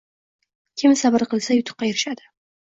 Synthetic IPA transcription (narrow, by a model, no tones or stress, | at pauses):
kʲʰɪmsabɪɾqɨlˠsajʊt̪ʰʊ̥qːɑjɪɾɪʃad̪ɪ